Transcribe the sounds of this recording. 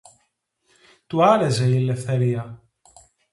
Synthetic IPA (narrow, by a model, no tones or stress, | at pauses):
t̪uaɾezeilːeθɛɾia